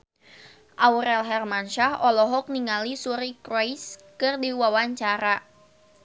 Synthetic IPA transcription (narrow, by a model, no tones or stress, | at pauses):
ʔauɾɛlɦɛrmanʃahɔlɔɦɔk̚niŋalisuɾikɾɔjskɨrdiwawaɲt͡ʃaɾa